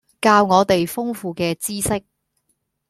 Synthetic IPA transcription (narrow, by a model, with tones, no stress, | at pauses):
kaː˧wŋɔː˨˧t̪e˨jfʊ˥ŋfuː˧kɛː˧t͡siː˥sɪ˥k̚